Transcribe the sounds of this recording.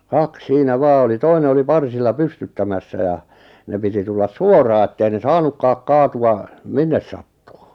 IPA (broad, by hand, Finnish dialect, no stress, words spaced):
kɑk siːnæ ʋɑː oli toine oli pɑrsilːɑ pystytːæmæsːæ jɑ ne piti tulːɑs suorɑː etːei ne sɑːnukːɑːk kɑːtuɑ minːes sɑtːu̥ː